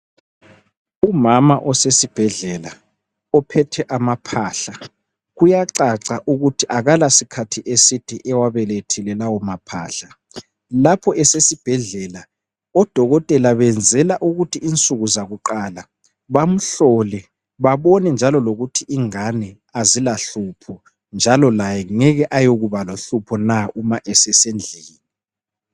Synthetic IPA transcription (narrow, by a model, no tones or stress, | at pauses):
umamaʔɔsesib̥ʱɛɮɛla | ɔpʰɛtʰɛʔamapʰaːɬa | ɣujaǀaǀaʔuɣutʰiʔaɣalasikʰatʰiʔesitʰiʔɛwaβɛletʰilɛlawɔmapʰa̰ːɬa | lapʰɔʔɛsesib̥ʱɛɮɛla | ɔd̥ʱɔɣɔtʼɛlaβɛnd͡zʱɛlaʔuɣutʰiːnt͡sʼuɣuzaɣuǃaːla | βam̩ɬɔlɛ | βaβɔnɛnd͡ʒʱalɔloɣutʰiʔiŋanɛ | azilaɬuːpʰɔ | nd͡ʒʱalɔlajɛŋɛɣɛʔajoɣuβaloɬupʰɔnaumaʔɛsɛsend͡ɮʱeːni